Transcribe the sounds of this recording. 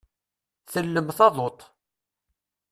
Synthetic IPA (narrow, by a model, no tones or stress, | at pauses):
θəlːəmθɑðˤot̪ˤ